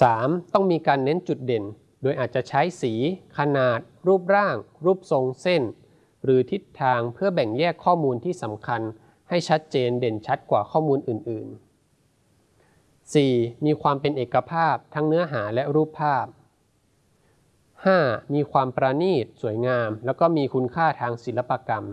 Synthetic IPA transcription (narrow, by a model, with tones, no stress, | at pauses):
saː˩˦mt̪ɔ˥˩ŋmiː˧kaː˧nːe˦˥nt͡ɕu˨˩t̪̚de˨˩n | doː˧jʔaː˨˩t̪̚t͡ɕa˨˩ʔt͡ɕʰa˦˥jsiː˩˦kʰa˧naː˨˩t̪̚ɾuː˥˩p̚ɾaː˥˩ŋɾuː˥˩p̚so˧ŋse˥˩n | ɾɯː˩˦t̪ʰi˦˥t̪ʰːaː˧ŋpʰɯ˥˩ɐbɛ˨˩ŋjɛː˥˩kʰːɔː˥˩muː˧nt̪ʰiː˥˩sa˩˦mkʰa˧n | ha˥˩jt͡ɕʰa˦˥t̪̚t͡ɕeː˧nde˨˩nt͡ɕʰa˦˥t̪̚kwaː˨˩kʰɔː˥˩muː˧nʔɯː˨˩nʔɯ̰ː˨˩n | siː˨˩miː˧kʰwaː˧mpe˧nʔeː˨˩kːa˧pʰaː˥˩p̚t̪ʰa˦˥ŋnɯ˦˥ɐɦaː˩˦lɛ˦˥ɾuː˥˩pʰːaː˥˩p̚ | haː˥˩miː˧kʰwaː˧mpɾa˧niː˥˩t̪̚su˩˦jŋaː˧mlɛː˦˥wkɔː˥˩miː˧kʰu˧nkʰaː˥˩t̪ʰaː˧ŋsi˩˦la˦˥pːa˧ka˧m